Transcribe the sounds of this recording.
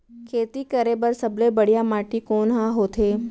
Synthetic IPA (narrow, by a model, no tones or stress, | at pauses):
kʰeːt̪ikəɾebəɾsəblebəɽ̤jamaːʈikoːnɦãɦot̪ʰeː